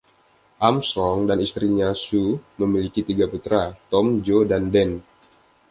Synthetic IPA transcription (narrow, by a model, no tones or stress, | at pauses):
ʔamsɔŋdanist̪ɾiɲasuməmilikit̪iɡaput̪ɾat̪ɔmd͡ʒodandɛn